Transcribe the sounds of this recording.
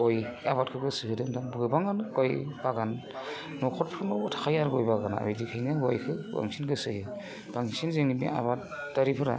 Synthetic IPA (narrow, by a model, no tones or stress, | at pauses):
ɔjaβat̚kʰɯɡɯsɯhɯdɯŋdanbɡɯbaŋanɡɔjbaɡanː | ɔkʰɔt̚pʰɯɾnɔtʰḁkʰajaɾɡɔjbaɡana̰a̰jdikʰɯjnaɡɔjkʰɯba̰ŋsinɡɯsɯhɯ | b̥aŋsinzeŋibḭa̰bat | daɾipʰɯɾa̰